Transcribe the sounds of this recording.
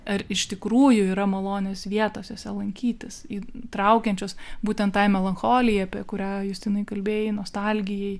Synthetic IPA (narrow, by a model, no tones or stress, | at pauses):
ɐɾɪʃt̪ʲɪkɾuːjʊiːɾɐmɐlˠoːnʲeːsʋʲiɛt̪oːsʲosʲɛlˠɐŋʲkʲiːt̪ʲɪsiːt̪ɾɐʊkʲɛnʲt͡ʃʲoːsbuːt̪ʲɛnt̪t̪ːɐɪmʲɛlˠɐnxoːlʲɪjɛɪɐpʲiɛkʊɾʲæːjuːsɪnɐɪkɐlʲbʲeːjɪnoːst̪ɑlʲɡʲɪjɛɪ